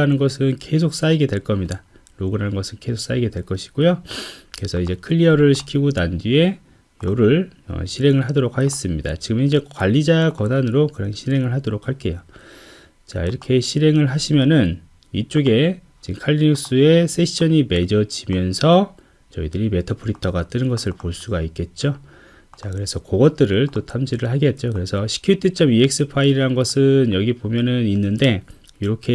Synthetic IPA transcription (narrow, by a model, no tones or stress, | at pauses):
anɯnɡʌsʰɯnke̞sʰok̚s͈aiɡe̞dwe̞ɭk͈ʌmɲida | ɾoɡɯɾɦanɯnɡʌsʰɯnke̞sʰok̚s͈aiɡe̞dwe̞ɭk͈ʌɕʰi̥ɡ̥ojokɯɾe̞sʰʌid͡ʑe̞kʰɯʎːiʌɾɯɭɕʰi̥kʰiɡonandie̞ | joɾɯɭʌ̰ɕʰiɾe̞ŋɯɭɦadoɾok̚ʰaɡe̞s͈ɯmɲida̰t͡ɕiɡɯmind͡ʑe̞kkwaʎːid͡ʑakʌnanɯɾokɯɾaŋɕʰiɾe̞ŋɯɭɦadoɾok̚haɭk͈e̞jo | t͡ɕa̰ḭɾʌkʰe̞ɕʰiɾe̞ŋɯɭɦaɕʰimjʌnɯn | it͡ɕ͈oɡe̞ | t͡ɕikʰaʎːinuk̚s͈ue̞s͈ʰe̞ɕʰʌɲime̞d͡ʑʌd͡ʑimjʌnsʰʌ | t͡ɕʌidɯɾime̞tʰʌpʰɯɾitʰʌɡat͈ɯnɯnɡʌsʰɯɭpoɭs͈uɡaik͈e̞t̚t͡ɕ͈o | t͡ɕakɯɾesʰʌkoɡʌt̚t͈ɯɾɯɭt͈otʰamd͡ʑʰiɾɯɭɦaɡet̚t͡ɕ͈okɯɾe̞sʰʌɕʰi̥kʰjuitʰɯt͡ɕ͈ʌmiek̚s͈ɯpʰaiɾiɾanɡʌsʰɯnjʌɡipomjʌnɯninːɯnde̞ | iɾʌkʰe̞